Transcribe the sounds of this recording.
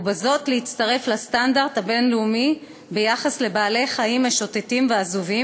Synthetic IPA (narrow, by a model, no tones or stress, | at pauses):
bazo̞tleitt͡staʁe̞flastandaʁdhabe̞nleumi | be̞jaχasle̞baːle̞χaimeʃotetimveazuvi